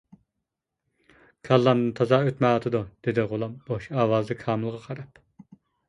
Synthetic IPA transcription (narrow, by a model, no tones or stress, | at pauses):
kʰɑlˠːɑnnɨnt̪ʰɑzɑøt̪mɛɑt̪ʰɨd̪ud̪̥ed̪ɪʁolˠɑmboʃɑːwɑːzd̪ɨkʰɑːmɨlˠʁɑqʰɑɾɑp